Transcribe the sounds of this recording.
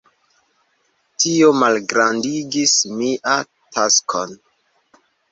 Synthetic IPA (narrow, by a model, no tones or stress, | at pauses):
tio̞malɡɾandiɡismiʔa | taskʰon